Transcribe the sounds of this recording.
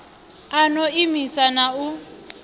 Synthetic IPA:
anɔimisanau

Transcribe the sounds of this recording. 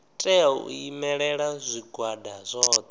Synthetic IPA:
tʼɛɔṵimɛɺɛɺazʷiɡwadazʷɔːt̪

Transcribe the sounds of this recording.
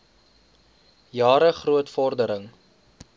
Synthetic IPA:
jɑːɾəχruətfɔrdəɾəŋ

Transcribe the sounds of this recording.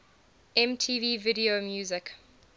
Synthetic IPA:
ɛ̃mtʰiːviːvɪɾiomjuːzɪk

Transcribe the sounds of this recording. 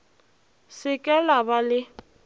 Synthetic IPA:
sɪkʼɛlabalɪ

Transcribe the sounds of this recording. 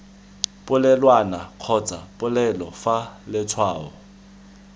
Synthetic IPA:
pʼʊlɛlwanaq͡χʰɔt͡sʼa̰pʼʊlɛlɔfalɪt͡sʰwaːɔ̰

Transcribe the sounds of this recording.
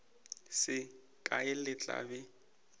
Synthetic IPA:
sɪ | kʼaɪlɪt͡ɬʼa̰bɛ

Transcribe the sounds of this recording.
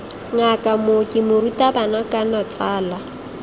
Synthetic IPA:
ŋ̩akʼamʊkʼɪmʊritʼabanakʼanɔt͡sʼaːla

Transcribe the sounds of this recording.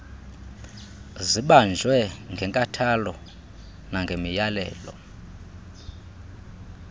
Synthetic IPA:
ziɓand͡ʒʱwɛŋɡʱɛŋkʼatʰalɔ | naŋɡʱemijalɛ̰ːlɔ̰

